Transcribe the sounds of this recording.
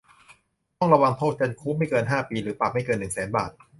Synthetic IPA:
t̪ɔ˥˩ŋɾa˧wa˧ŋt̪ʰoː˥˩t̪̚t͡ɕa˧nkʰuː˦˥ma˥˩jkɤː˧nɦaː˥˩piː˧ɾɯː˩˦˥pa˨˩p̚ma˥˩jkɤː˧nːɯ˨˩ŋsɛː˩˦nbaː˨˩t̪̚

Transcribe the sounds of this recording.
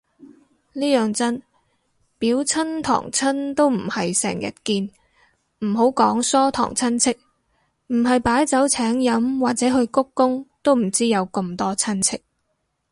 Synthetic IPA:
liː˥jœː˨ŋt͡sɐ˥n | piː˨˥wt͡sʰɐ˥nt̪ʰɔ̰ː˨˩ŋt͡sʰɐ˥nt̪o˥wm̩˨˩hɐ˨jsɛ̰ː˨˩ŋjɐ̰˨t̚kiː˧n | m̩˨˩ɦo˨˥wkɔː˨˥ŋsɔː˥t̪ʰɔ̰ː˨˩ŋt͡sʰɐ˥nt͡sʰɪ˥k̚ | m̩˨˩ɦɐ˨jpaː˨˥jt͡sɐ˨˥wt͡sʰɛː˨˥ŋjɐ˨˥mwaː˨t̚t͡sɛː˨˥ɦɵ˧ɥkʊ˥kːʊ˥ŋt̪o˥wm̩˨˩t͡siː˥jɐ˨˧wkɐ˧mt̪ɔː˥t͡sʰɐ˥nt͡sʰɪ˥k̚

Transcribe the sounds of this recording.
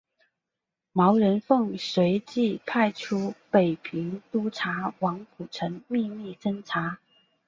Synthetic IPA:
mɑ˧˥ʊɻə˧˥nfɤ˥˩ŋswe˧˥ɪt͡ɕi˥˩pʰa˥˩ɪʈ͡ʂʰu˥pe˨˩ɪpʰi˧˥ŋt̪u˥ʈ͡ʂʰa˧˥wɑ˧˥ŋpʰu˨˩ʈ͡ʂʰə˧˥ŋmi˥˧mi˥˩ʂə˥ŋʈ͡ʂʰa˧˥

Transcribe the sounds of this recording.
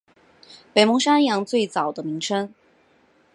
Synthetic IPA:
pe˨˩ɪmʊ˧˥ŋʂa˥njɑ˧˥ŋt͡swe˥˩ɪt͡sɑ˨˩ʊd̪ə˦mi˧˥ŋʈ͡ʂʰɤ˥ŋ

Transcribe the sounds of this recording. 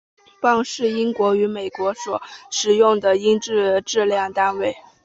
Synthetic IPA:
pɑ˥˧ŋʂɻ̩˥˩i˥nkwɔ˧˥y˧˥me˨˩ɪkwɔ˧˥swɔ˨˩˦ʂɻ̩˨˩jʊ˥˩ŋd̪ə˩i˥ŋʈ͡ʂɻ̩˥˧ʈ͡ʂɻ̩˥˧ljɑ˥˩ŋt̪a˥nwe˥˩ɪ

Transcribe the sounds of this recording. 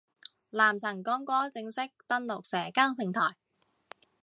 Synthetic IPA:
laː˨˩msʰɐ˨˩ŋkɔː˨˧ŋkɔː˥t͡sɪ˧ŋsɪ˥k̚t̪ɐ˥nlʊ˨k̚sɛː˨˩kaː˥ŋpʰɪ˨˩ŋt̪ʰɔː˨˩j

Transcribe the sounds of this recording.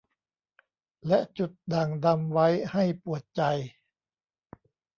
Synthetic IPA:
lɛ˦˥ʔt͡ɕu˨˩t̪̚da˨˩ŋda˧mwa˦˥jha˥˩jpu˨˩ət̪̚t͡ɕa˧j

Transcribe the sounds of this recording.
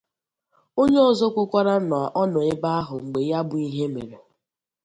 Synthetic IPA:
o˦ɲe˦ɔ˨zo˦kʷʊ˦kʷa˦ɾa˦nɔ˨ʔɔ˦nɔ˨ɪ˦ba˦a˦ɦʊ˨ŋ͡m̩˨ɡ͡be˨ja˦bʊ˨i˦ɦe˦me˨ɾe˨

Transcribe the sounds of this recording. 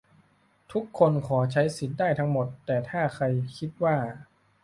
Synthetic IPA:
t̪ʰu˦˥kʰːo˧nkʰɔː˩˦t͡ɕʰa˦˥jsi˨˩t̪̚daː˥˩jt̪ʰa˦˥ŋmo˨˩t̪ːɛː˨˩t̪ʰaː˥˩kʰa˧jkʰi˦˥t̪̚waː˥˩

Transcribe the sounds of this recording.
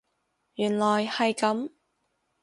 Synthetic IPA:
jyː˨˩nlɔː˨˩jhɐ˨jkɐ˨˥m

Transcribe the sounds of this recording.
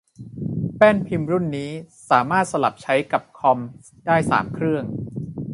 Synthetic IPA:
pɛː˥˩npʰi˧mɾu˥˩nːiː˦˥saː˩˦maː˥˩t̪̚sa˧la̰˨˩p̚t͡ɕʰa˦˥jka˨˩p̚kʰɔ˧m | daː˥˩jsa̰ː˩˦mkʰɾɯ˥˩əŋ

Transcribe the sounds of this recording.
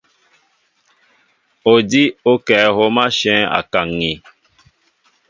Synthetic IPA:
o˨di˦o˦kɛ˨˦ɦo˦mã˦ʃɛ̃˦a̰˨kã˨ŋĩ˨

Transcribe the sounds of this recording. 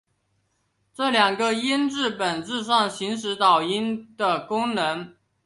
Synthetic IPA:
ʈ͡ʂɤ˥˩ljɑ˨˩ŋɡə˧i˥nʈ͡ʂɻ̩˥˩pə˨˩nʈ͡ʂɹ̩˥˧ʂ̬ɑ˥˩ŋɕi˧˥ŋʂ̬ɻ̩˧˥t̪ɑ˨˩ʊi˥nd̪̥ə˨kʊ˥ŋnɤ˧˥ŋ

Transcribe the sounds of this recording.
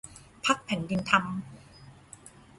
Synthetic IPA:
pʰa˦˥k̚pʰɛ˨˩˦ndi˧nt̪ʰa˧m

